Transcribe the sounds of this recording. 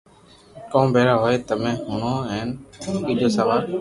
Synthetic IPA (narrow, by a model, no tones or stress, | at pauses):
kõːmbʱeːɾaːɦoːeːt̪əmẽːɦʊːɳõːɛ̃ːniːd͡ʒoːsəʋaːɾ